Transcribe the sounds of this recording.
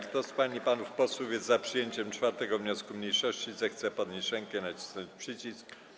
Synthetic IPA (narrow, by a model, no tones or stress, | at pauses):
ɾt̪ɔspaɲipanufpɔswuvʲjɛzapʂɘjeɲt͡ɕɛmt͡ʂfaɾt̪ɛɡɔvɲɔskumɲejʂɔɕt͡ɕizɛxt̪sɛpɔd̪̚ɲejʂɛŋkɛnat͡ɕi̥snɔɲt͡ɕpʂɘt͡ɕisk